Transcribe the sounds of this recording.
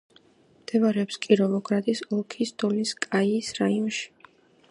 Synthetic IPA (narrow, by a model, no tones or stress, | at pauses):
md̪̥ɛvaɾɛɔpskʼiɾɔvɔɡʰɾat̪ʼisɔlˠkʰisd̪ɔliskʼaiːsɾaiɔnʃi̥